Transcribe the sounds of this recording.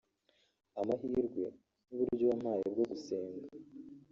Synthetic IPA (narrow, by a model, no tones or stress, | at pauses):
amaɦiːɾɡwe̞̰ | nuβuɾuɾɟowam̥haːjebɡoɡuseːŋɡa